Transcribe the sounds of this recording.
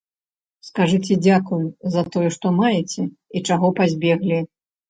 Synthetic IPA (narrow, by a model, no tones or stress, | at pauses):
skaʐɨt͡sʲɛd͡zʲakujuzɐt̪ɔjɛʂt̪ɔmajɛt͡sʲɛ | it͡ʂaɣɔpazʲbʲɛɣlʲi